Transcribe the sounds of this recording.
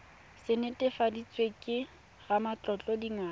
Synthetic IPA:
sɪnetʼɪfadit͡sʼwekʼɪ | ɣamat͡ɬʼɔt͡ɬʼɔdiŋaː

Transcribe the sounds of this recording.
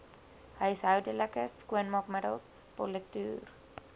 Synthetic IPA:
həjsɦœwdələkəskuənmɑkmədəlˠs | po̰lətyːr

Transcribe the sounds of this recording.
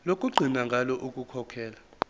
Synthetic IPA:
lokʼuɡ͡ǀʱinaŋɡʱalɔʔukʼukʰɔkʰɛːla

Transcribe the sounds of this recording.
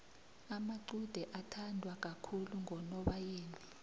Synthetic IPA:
amaǀud̥ʱɛʔatʰandʱwak̬ʼakʰuluŋɔnɔɓajeːni

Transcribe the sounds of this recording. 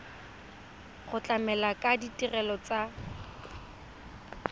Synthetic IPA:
χʊt͡ɬʼamɛlakʼaditʼirɛlɔt͡sa

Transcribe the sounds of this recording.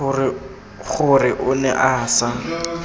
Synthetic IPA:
χʊrɪʔʊnɛʔasa

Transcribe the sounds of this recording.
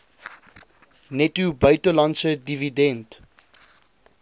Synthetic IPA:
nɛtubeɪtəlãnsədividɛ̃nt

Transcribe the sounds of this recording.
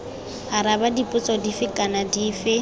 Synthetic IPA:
haɾabadipʼʊt͡sʼɔdifɪkʼanadiːfɪ

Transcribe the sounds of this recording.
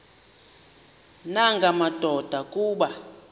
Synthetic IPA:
naŋɡʱamad̥ʱɔd̥ʱakʼuːɓa

